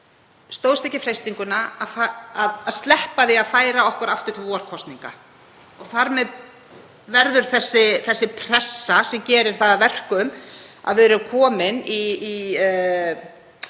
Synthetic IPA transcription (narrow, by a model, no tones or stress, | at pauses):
st̪oːwst̪ehcːɪfɾejst̪iŋkʏnaafaaðaðst̪lɛhpaθiaðfaːjɾaɔhkʏɾaft̪ʏɾt̪vɔɾ̥kʰɔst̪niŋka | ɔɣθaɾmɛð | vɛɾðʏɾ̥θɛsːɪθɛsːɪpʰɾ̥ɛsːasɛmcɛːɾɪɾ̥θaðavɛr̥kʏma̰ðvɪðɾʏkʰɔːmɪniː